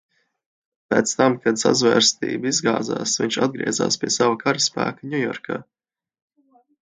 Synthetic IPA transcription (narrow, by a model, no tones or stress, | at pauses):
pɛːt̪st̪amkad̪sa̰zvɛːɾst̪ḭːbizɡaːd̪za̰ːsviɲt͡ʃa̰d̪̚ɡɾḭɛza̰ːspʲiɛsavakaɾəspæ̰ːkaɲʲujɔ̰ɾkaː